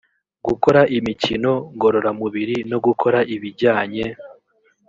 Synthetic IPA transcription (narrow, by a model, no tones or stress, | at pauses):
ɡuko̞ɾaʔimicino̞ŋɡo̞ɾo̞ɾamuβiɾino̞ɡukʰo̞ɾaʔiβiɾɟaːɲe̞